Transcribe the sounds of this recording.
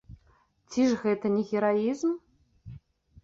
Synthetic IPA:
t͡sʲiʐɣɛt̪ɐnʲɛɣʲɛɾaizm

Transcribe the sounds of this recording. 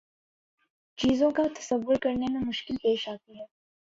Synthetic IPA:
t͡ʃiːzõkat̪ɐ̥səʋːʊɾkɐɾnemẽmʊʃkɪlpeːʃaːt̪iɦɛː

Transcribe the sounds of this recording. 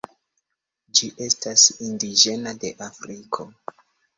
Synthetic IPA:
d͡ʒiʔe̞stasindiʒe̞nade̞ʔafɾikʰo̞

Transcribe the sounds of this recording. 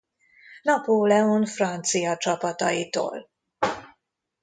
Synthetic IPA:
nɒpoːlɛonfrɒnt̪sijɒt͡ʃɒpɒt̪ɒ̰jit̪o̰ːl

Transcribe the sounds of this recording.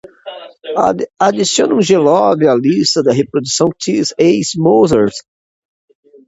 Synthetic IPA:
ad͡ʒisiõnũʒelɔvɪalist̪ɐd̪ɐɦepɾod̪usɐ̃w̃t̪ʰizejsmozeɾs

